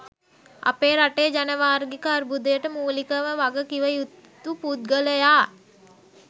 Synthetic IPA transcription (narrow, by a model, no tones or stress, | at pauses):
a̰peːɾaʈeːd͡ʒanəʋaːɾɡikəaɾbud̪əjəʈəmuːlikəməʋaɡəkiʋəjut̪ːupud̪̚ɡələjaː